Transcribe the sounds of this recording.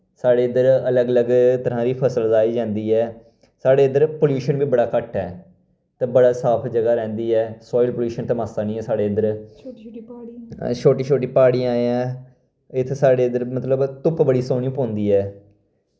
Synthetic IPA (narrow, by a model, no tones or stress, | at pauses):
saːɽeːənd̪əɾələɡələɡt̪əɾãːɾiːpʰəsəlzaːiːd͡ʒãːnd̪iːɛː | saːɽeːənd̪əɾpoljuːʃənbiːbəɽaːkəʈʰːɛː | t̪ẽːbəɽaːsaːpʰd͡ʒəɡaːɾɛ̃ːnd̪iːɛːsɔːɪlpəljuːʃənt̪emaːsaːnĩːɛ̃ːsaːɖeːənd̪əɾ | t͡ʃʰoːʈiːt͡ʃʰoːʈiːpaːɽiːaːeãː | ɪt̪ʰːsaːɖeːənd̪əɾmət̪ləbt̪ʊpbəɽiːsõːnĩũːpɔ̃ːnd̪iːɛː